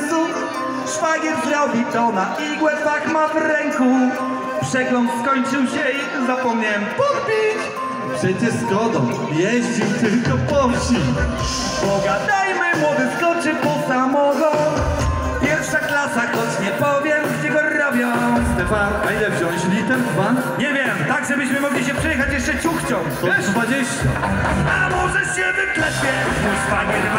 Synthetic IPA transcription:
zu | ʂfaɡʲɛɾzlawbʲit̪ɔnaʔiɡwɛfakmavɾɛŋku | pʂɛɡlɔnt̪skɔɲt͡ʂɨwɕɛi | zapɔmɲaɛmpɔɾpʲi | pʂɛjd͡ʑɛskɔd̪ɔ̃ | jɛʑd͡ʑit̪ɘlkɔpɔmɕi | pɔɡad̪ajmɘmwɔd̪ɨskɔt͡ʂɨpɔsamɔɡɔ | pʲjɛɾfʂaklasakɔt͡ɕɲɛpɔvʲjɛmd͡ʑɛɡɔɾɔbʲjɔst̪ɛpanailɛvʑɔ̃w̃ʑlʲit̪ɛnzvan | ɲɛvʲjɛmt̪aɡʐɛbɘɕmɘmɔɡlʲiɕɛpʂɛjɛxat͡ɕjɛʂt͡ʂɛt͡ɕuxt͡ɕɔ̃w̃t̪ɔɛd̪vad͡ʑeɕt͡ɕa̰alɛmɔʐɛɕɛvɨklɛpʲjɛ | mujspaɲɛ

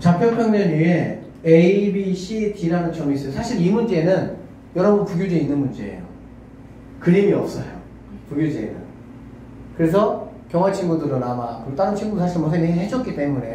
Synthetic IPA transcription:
t͡ɕapʰjʌnpʰjʌŋɲʌnie | eibiɕʰitiɾanɯnt͡ɕʰʌŋis͈ʌsʰaɕʰiɾimund͡ʑe̞nɯn | jʌɾʌbʌnpuɡjud͡ʑeinːɯnmund͡ʑe̞̰ːjo̰ | kɯɾimiʌp̚s͈ʌjo̰ | puɡjud͡ʑeḭnːɯ̰n | kɯɾe̞s̬ʰʌ | kjʌŋwat͡ɕʰiŋɡudɯɾonamakuɭt͈aɾɯnt͡ɕʰiŋɡudɯsʰaɕʰiɭmʌsʰeŋɦeŋiɦed͡ʑʌk͈it͈e̞mune̞

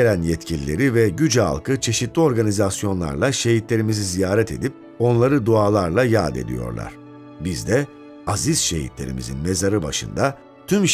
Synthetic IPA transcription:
elʲænjɛt̪cʰilʲilʲe̞̰ɾivɛɟyd͡ʒa̰lˠkɯt͡ʃʰe̞ʃit̪lʲio̞ɾɡanʲizasjo̞nlˠa̰ɾlˠaʃe̞ɦit̪lʲe̞ɾimizizijaːɾɛt̪ʰe̞̰d̪ip̚ | o̞nlˠaɾɯd̪uaːlˠaɾlˠajaːd̪e̞̰d̪ḭjo̞̰ɾlˠa̰ɾ̝̥ | bizd̪ɛ | aziz̥ʃe̞̰ɦḭt̪lʲe̞ɾḭmḭzḭnme̞zaɾɯba̰ʃɯ̰nd̪a | t̪ʰymʃ

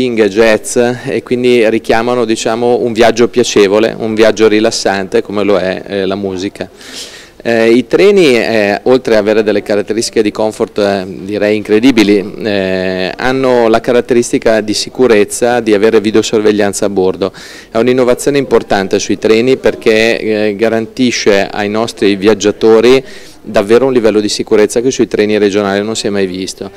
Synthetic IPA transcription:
iŋɡed͡ʒɛt̪sekːwind̪iɾik̟jaːmanod̪it͡ʃaːmouɱvjad͡ʒːopjat͡ʃeːvolḛʔuɱvjad͡ʒːoɾilasːant̪ekomeloɛ̰lamuːzika | it̪ɾɛːniɛolt̪ɾeaveːɾed̪elːekaɾat̪ːeɾist̪i̥ked̪ikoɱfort̪d̪iɾɛjiŋkɾed̪iːbiliɛa̰nːolakaɾat̪ːeɾist̪ikad̪isikuɾet̪sːad̪iaveːɾevid̪eosorveʎːant̪saːbord̪o | ɛuninːovat̪sjoːneimport̪ant̪esuit̪ɾɛːniperk̟eɡaɾant̪iʃːea̰jnɔst̪ɾivjad͡ʒːat̪oːɾi | d̪avːeːɾounlivɛlːod̪isikuɾet̪sːakesuit̪ɾʔɛːniɾed͡ʒonaːlinonsjɛmajvist̪o

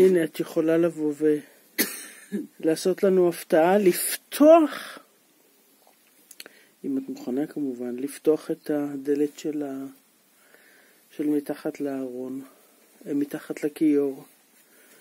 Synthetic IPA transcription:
ineatjeχo̞lalavo̞ve | laːso̞tlanuaftaʔaliftʰo̞aχ | imatmuχanakamuvanliftoaχetade̞letʃela | ʃe̞lmitaχatlaaʁo̞n | mitaχatlakijoʁ

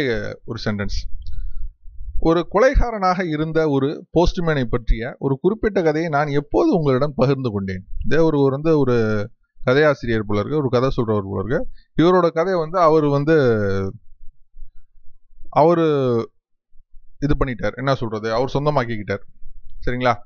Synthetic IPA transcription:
ɔɾɯsɛɳʈɐns | ɔɾɯkɔlɐɪɣaːɾɐnaːɣɐɪɾɯnd̪ɐɔɾɯpoːsʈɯmeːnɐɪpːɐʈrɪjɐʔɔɾɯkʊɾɪpːɪʈːɐkɐðɐjɐɪnaːnɛpːoːðɯʊŋɡɐɭɪɽɐmpɐɣɪɾnd̪ɯkɔɳɖḛːnɐðeːɔɾɯʋɐnd̪ɯɔɾɯ | kɐðɐjaːsɪɾɪjɐɾpɔɭɐɾkɐɔɾɯkɐðɐsɔlrɐʋɐɾpɔ̰ɭɐ̰ɾkɐɪʋɐɾoːɽɐkɐðɐjʋɐnd̪ɯɐʋɐɾʋɐnd̪ɯ | ʔɐʋɐɾɯ | ɪðɯpɐɳːɪʈːaːɾɛnːɐsɔlrɐðɯɐʋɐɾsɔnd̪ɐmaːkɪkːɪʈːaːɾsɐɾɪŋɡɐɭaː

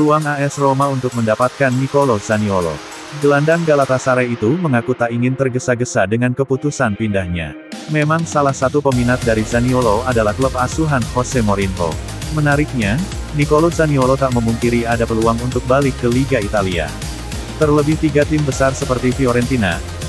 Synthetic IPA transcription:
pəluaŋaɛsromaunt̪ʊk̚məndapat̪̚kanːikolozaniolo̰ | ɡəlandaŋɡalat̪asaɾait̪uməŋakut̪aʔiŋɪnt̪ərɡəsaɡəsadəŋankəput̪usanpindahɲa̰ | memaŋsalahsat̪upəminat̪̚daɾizanioloadalahklɔpasuɦanhosɛmoɾinɦo̰ | mənaɾɪk̚ɲa | nikolozaniolot̪aʔməmunk̪iɾiadapəluaŋunt̪ʊk̚balɪkːəliɡait̪alia̰ | t̪ərləbɪht̪iɡat̪ɪmbəsarsəpərt̪ifioɾɛnt̪ina̰

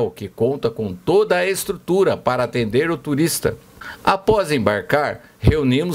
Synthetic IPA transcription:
wkɪkõnt̪ɐkõw̃t̪od̪ɐːest̪ɾut̪uɾɐpaɾɐat̪ẽnd̪eɾʊt̪uɾist̪ɐ̰ | apɔzẽbaɾkaɾ | heunĩmʊ

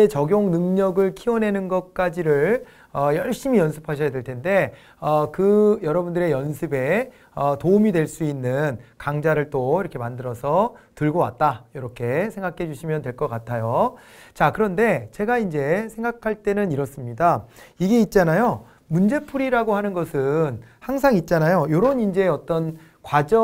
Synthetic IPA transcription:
et͡ɕʌɡjoŋnɯŋɲʌɡɯɭkʰiwʌne̞nɯnɡʌt̚k͈ad͡ʑiɾɯɭ | ʌjʌɭɕ͈imijʌnsʰɯ̥pʰaɕʰʌjadwe̞ɭtʰe̞nde̞ | ʌkɯjʌɾʌbundɯɾe̞jʌnsʰɯbe̞ | ʌtoumidweɭs͈uinːɯnkaŋd͡ʑaɾɯɭt͈oiɾʌkʰe̞mandɯɾʌsʰʌtɯɭɡowa̰t̚t͈ajoɾʌkʰe̞sʰe̞ŋɡakʰe̞d͡ʑuɕʰimjʌndwe̞ɭk͈ʌk͈atʰajo | t͡ɕakɯɾʌnde̞t͡ɕe̞ɡaind͡ʑe̞sʰe̞ŋɡakʰaɭt͈e̞nɯniɾʌs͈ɯmɲidaiɡe̞it̚t͡ɕ͈anajo | mund͡ʑe̞pʰuɾiɾaɡohanɯnɡʌsʰɯnhaŋs̬ʰaŋit̚t͡ɕ͈anajojoɾʌunind͡ʑeʌt͈ʌn | kwad͡ʑʌ

